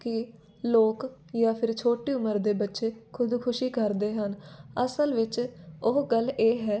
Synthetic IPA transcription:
kɪ | loːkjaːpʰɪɾt͡ʃʰoːʈeːʊməɾd̪eːbətːʃeːkʰʊd̪kʰʊʃiːkəɾd̪eːɦənəsəlʋɪt͡ʃʊɦɡəlːeːɦɛː

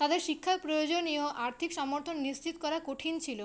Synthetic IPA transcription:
t̪ad̪eɾʃikʰːapɾojod͡ʑonioʔaɾt̪ʰikʃɔmoɾt̪ʰonːist͡ɕit̪kɔɾakoʈʰint͡ɕʰilo

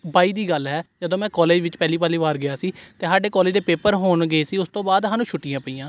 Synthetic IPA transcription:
baːiːd̪iːɡəlɦɛːd͡ʒəd̪õːmɛ̃ːkɔːleːd͡ʒʋɪt͡ʃpɛːliːpaːliːʋaːɾɡɪjaːsiːt̪eːsaːɖeːkɔːleːd͡ʒd̪eːpeːpəɾɦoːnɡəeːsiːʊst̪õːbaːd̪ɦaːnũːt͡ʃʰʊʈːiːjãːpəiːãː

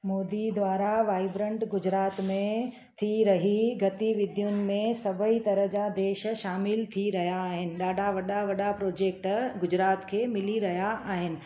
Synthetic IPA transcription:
moːd̪id̪ʋaːɾaʋaːɪbɾə̃ɳʈɡʊd͡ʑɾaːt̪mẽ | t̪ʰiɾɐɦiɡɐt̪iʋɪd̪ʱjʊnɪ̆mẽsɐbʱəit̪ɐɾəɦd͡ʑad̪eːʃʃaːmɪlt̪ʰiɾɐɦijaːɦɪnɪ̆ɗaːɖʱaʋɐɗaʋɐɗapɾoːd͡ʑeːk̚ʈɡʊd͡ʑɾaːt̪kʰeːmɪliɾɐɦijaʔaːɦɪnɪ̆

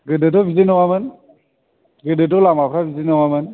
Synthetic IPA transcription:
ɡɯdɯtɔbizinɔwamɯn | ɡɯdɯtɔlamapʰɾabizinɔwamɯn

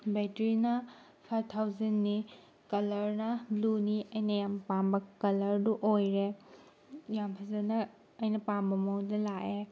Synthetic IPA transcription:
betɾinɐ | pʰaj̚t̪ʰawzɐnːi | kɐlɐɾnɐbluniɐjnɐjampambɐkɐlɐɾduʔojɾe | jampʰɐzɐnɐ | ɐjnɐpambɐmowdɐlaʔe

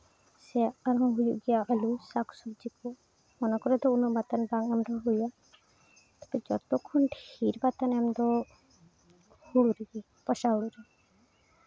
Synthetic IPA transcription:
sɛaɾɦɔ̃ɦujṵʔɡɛjaalusaksub̚d͡ʒikɔ | mɔnakɔɾɛd̪ɔunɔbat̪anbaŋɛmd̪ɔɦuja | t̪ɛ̥bɛd͡ʒɔt̪ɔkʰːunʈiɾbat̪anɛmd̪ɔ | huɽuɾii | pɔʃaɦuɽuɾi

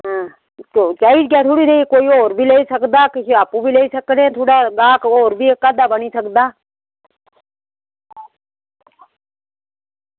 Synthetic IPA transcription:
ɦ | t͡ʃot͡ʃaid͡ʒɡat̪ʰoɽid̪eikoːioːɾbʱileːisəkd̪akɪsiaːpũbʱileːisəknẽt̪ʰoːɽaɡãːkoːɾbʱiekad̪abənisəkd̪aː

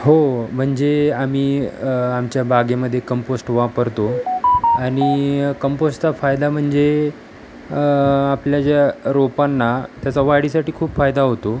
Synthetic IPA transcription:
ɦom̤əɳd͡zeamiːamt͡ɕjabaɡeməd̪ʱːjekəmposʈʋapəɾt̪o | aɽ̃ikəmposʈt͡safajd̪am̤əɳd͡ze | pljad͡ʑjaɾopanːat̪jat͡saʋaɽisaʈiːkʰuːpfajd̪aɦot̪o

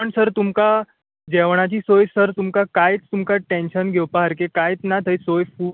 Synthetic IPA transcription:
əɳsəɾt̪umka | d͡ʑɛʋɳ̃at͡ɕiːsojsəɾt̪umkakajt͡st̪umkaʈẽnɕənɡʱɛwpaɦəɾkekajt͡snat̪ʰəjsojfu

